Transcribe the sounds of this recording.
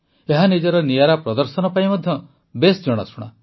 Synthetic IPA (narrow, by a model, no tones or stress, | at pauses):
eɦanid͡ʒɔɾɔnijaɾapɾɔd̪ɔɾsɔnɔpaimɔd̪ʱjɔ | besd͡ʒɔɽ̃a̰sʰuɽ̃a